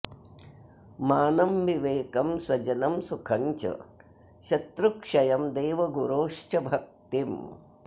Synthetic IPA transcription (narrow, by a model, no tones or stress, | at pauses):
maːnɐmʋiʋeːkɐmswɐd͡ʒɐnɐmsukʰɐɲt͡ʃɐ̰ | ʃɐt̪ɾukʂɐjɐmd̪eːʋɐɡuɾoːʂt͡ʃɐbʱɐk̚t̪im